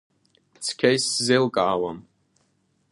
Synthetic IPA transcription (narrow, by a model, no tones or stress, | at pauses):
t͡sʰkʲʰajszelkʼaːwam